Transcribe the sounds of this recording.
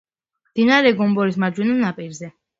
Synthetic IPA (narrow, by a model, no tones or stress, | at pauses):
md̪̥inaɾɛɡɔmbɔɾismad͡ʒwɛnanapʼiɾzɛ